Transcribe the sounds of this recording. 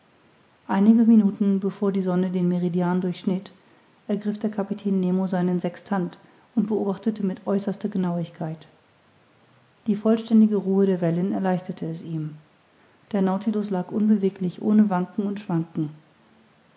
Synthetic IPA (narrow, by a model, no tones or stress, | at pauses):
ʔaɪnɪɡəminuːtn̩bəfoːɐdiːzɔnədeːnmeʁidjaːndʊɐçʃnɪt | ʔɛɐɡʁɪfd̥eːɐkʰapitʰɛːnːeːmozaɪnənzɛkstʰant | ʊntb̥əʔoːbaχtətəmɪtʔɔʏsɐstɐɡənaʊɪçkʰaɪt | d̥iːfɔlʃtɛndɪɡəʁuːəɾeːɐvɛlənɛɐlaɪçtɐtʰəɛsiːm | d̥eːɐnaʊtʰilʊslaːkʔʊnbəveːklɪçʔo̰ːnəvaŋkŋ̩ʊntʃv̥aŋkŋ̩